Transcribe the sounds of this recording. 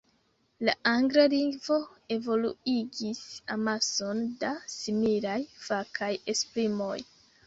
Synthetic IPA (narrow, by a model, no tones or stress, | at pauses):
laaŋɡɾaliŋɡvo̞e̞vo̞lṵiɡisamaso̞ndasimilajfakʰaje̞splimo̞̰j